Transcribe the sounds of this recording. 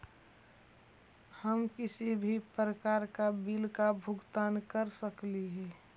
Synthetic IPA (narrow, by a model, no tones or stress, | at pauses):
həmkɪsibʱipɾəkaːɾkabɪlkabʱʊɡt̪aːnkəɾsəkliɦɛː